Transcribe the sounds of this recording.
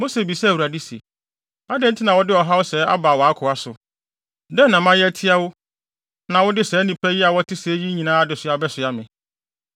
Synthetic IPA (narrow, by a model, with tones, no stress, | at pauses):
mo˦se˨bi˨sɛ˦˨wu˨ɾa˨di˦sḛ˨ | a˦dɛ̃˦n̩˦tʰɪ˦nã˨wɔ˦dɪ˦ɔ˨ɦa˦wʊ˦sɛ˨˦a̰˦ba˨wɔ˨a˦kʰʊ˨a˦sʊ˨ | dɛ̃˦nã˨mã˦jɛ˦æ˦tʰɪ˦a˦wʊ˦ | nã˨wɔ˦dɪ˦sɛː˨˦nĩ˨pʰɛ˦ji˦a˨wɔ˦tʰɪ˦se˨˦ji˦ɲĩ˨nã˦a˦dɪ˨sʊ˨˦a˨bɛ˦sʊ˨a˦mɪ̃˨